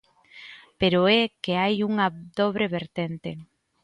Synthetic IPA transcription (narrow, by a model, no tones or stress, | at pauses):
peɾoɛkeajuŋad̪oβɾeβeɾt̪ent̪e